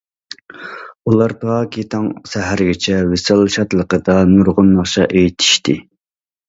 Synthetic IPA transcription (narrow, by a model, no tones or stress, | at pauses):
ulˠɑɾpʰɑːkʲit̪ʰɑŋsæɦæɾɪɡʲɪt͡ʃʰɛwesɑlˠʃɑt̪lˠəqəd̪ɑnuɾʁʊnːɑχʃɑʔejt̪ʰi̥ʃt̪ɪ